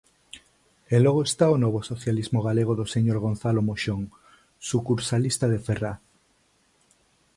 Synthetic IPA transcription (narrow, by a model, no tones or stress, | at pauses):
elɔɣ̞oest̪aonoβosoθjalizmoɣ̞aleɣoðoseɲoɾɣ̞on̟θalomoʃoŋ | sukuɾsalist̪aðefera